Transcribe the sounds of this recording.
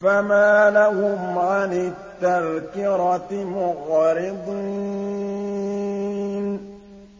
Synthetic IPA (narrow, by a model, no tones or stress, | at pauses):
famalahʊmʕanɪt̪ːaɾkiɾɔt̪imʊɣɔɾibi | n